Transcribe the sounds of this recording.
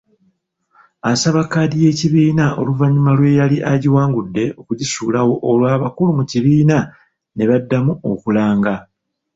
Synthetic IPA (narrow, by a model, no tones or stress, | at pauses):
asaβakːaːdije̞ːciβiːnao̞̰luvaɲumalwe̞jaliʔaɟiwaːŋɡudːe̞o̞kuɟisuːlawo̞ʔːlwaːβakulumuciβiːna | ne̞βadːamuo̞̰kulaːŋɡa